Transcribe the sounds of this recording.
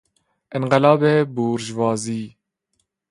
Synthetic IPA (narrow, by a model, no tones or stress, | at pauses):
ɪnqɪlɑːbeːbuːɾʒvɑːziː